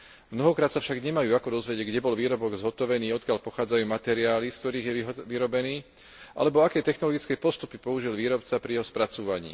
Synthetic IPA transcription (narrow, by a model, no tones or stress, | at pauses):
mnɔɦɔkɾaːt̪safʃaɡɲɛmajuːakɔd̪ɔzʋɛɟɛɟɡɟɛbɔlʋiːɾɔbɔɡzɦɔt̪ɔʋɛniːɔt̪̚kɪaʎpɔxaːd͡zajuːmat̪ɛɾiaːlisk̚t̪ɔɾiːɣjɛʋiɾɔbɛniː | ʔa̰lɛbɔakɛːt̪ɛxnɔlɔɡit͡skɛːpɔst̪upipɔuʒilʋiːɾɔpt͡sapɾijɛɦɔspɾat͡suːʋaɲḭː